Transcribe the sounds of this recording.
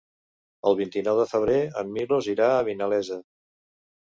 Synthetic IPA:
ə̰lˠβint̪inɔwðəfəβ̞ɾeəmːiloziɾaəβinəlɛzə

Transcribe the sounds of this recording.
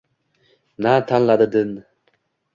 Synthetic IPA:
nat̪ʰanlˠad̪ɯd̪ɨn

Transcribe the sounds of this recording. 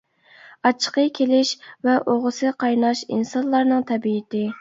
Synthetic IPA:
ɑt͡ʃʰːə̥qəkʲʰelɪʃvɛʔoʁəsɨqʰɑjnɑʃḭnsɑnlˠɑɾnɨŋt̪ʰɛbiɪt̪ʰɪ

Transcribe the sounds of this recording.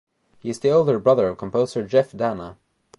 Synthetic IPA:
hiɨzðioʊlˠdə˞bɹʌðə˞ʌv̥kʰə̃m̩pʰoʊzə˞d͡ʒɛfdanə

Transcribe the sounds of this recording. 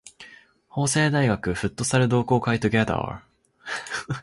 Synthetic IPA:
ho̞ːse̞ːd̪aiɡakɯ̟ɸɯ̟t̪ːo̞saɾɯ̟d̪o̞ːko̞ːkait̪oɡʲad̪a̰

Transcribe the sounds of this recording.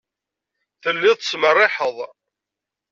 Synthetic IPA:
θəlːɪðˤtə̥smərˤːɪħəðˤ

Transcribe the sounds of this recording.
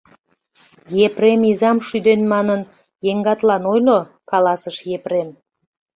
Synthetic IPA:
jepremizɑmʃyd̪enmɑnən | jeŋɡɑt̪lɑnojlo | kɑlɑsəʃjeprem

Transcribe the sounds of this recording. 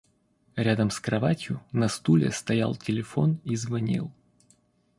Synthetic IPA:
ɾʲad̪əmskɾɐvatʲjʊnɐst̪ulʲɪ̰st̪ɐja̰lˠtʲɪlʲɪfo̞nizvɐnʲḭlˠ

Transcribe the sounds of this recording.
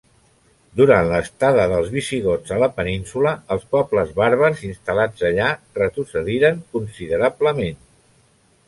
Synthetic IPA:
d̪uɾanləst̪aðəðəlˠzβisiɣod͡zələpəninsuləːlˠspɔbləzβaɾβəɾzinst̪əlad͡zəʎa | rət̪ɾusəðiɾəŋkunsiðəɾabləmen

